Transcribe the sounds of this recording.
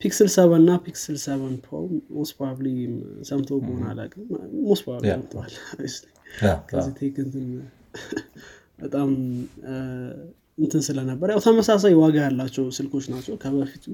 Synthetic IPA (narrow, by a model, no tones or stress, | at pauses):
pʰiksɨlsəβənːapʰiksɨlsəβənpʰo̰mospɾaβlisəmt̪ʰobona̰la̰kʼɨnmospɾaβlisəmt̪ʰalajst̪əɲkʰəzit̪ʰekɨnt̪ʰɨn | bət̪ʼam | ɨnt̪ʰɨnsɨlənəbːəɾjawt̪ʰəməsas̬ajwaɡajalːat͡ʃːɛwsɨlkʰo̞t͡ʃːnat͡ʃːɛwkʰəβəfit̪